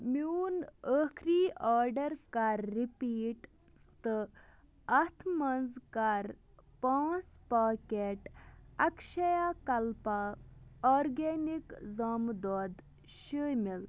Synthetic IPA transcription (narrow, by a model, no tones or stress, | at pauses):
minəkʰɾiːʔaːɾɖɐɾkaɾːipiːʈ | t̪ɨ | ɐt̪ʰmɐnzkaɾ | pãːspaːkeʈɐkʃɐjakɐlpaɔːɾɡenikzaːmd̪ɔːd̪ | ʃəjmil